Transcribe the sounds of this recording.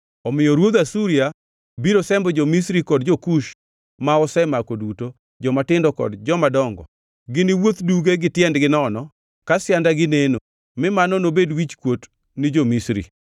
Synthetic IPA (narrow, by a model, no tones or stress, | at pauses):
ɔmɪjɔɾwod̪asuɾia | biɾosɛmbɔd͡ʒomisɾikɔdd͡ʒokuʃ | maɔsɛmakoduto | d͡ʒɔmatɪndɔkɔ̰dd͡ʒɔmadɔŋɡɔ̰ | ɡɪnɪwot̪duɡeɡɪtjɛndɡɪnɔnɔ | kasjandaɡɪneno | mɪmanɔnobedwit͡ʃkwot | nɪd͡ʒomisɾḭ